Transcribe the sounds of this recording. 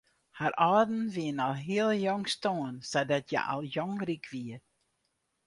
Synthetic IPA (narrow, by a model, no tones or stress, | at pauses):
haɾɔːdn̩ʋiənɔlˠɦiəlˠjɔŋstoənsɛdɔtʰjɛ̰ʔɔ̰lˠjɔŋrikʰʋiə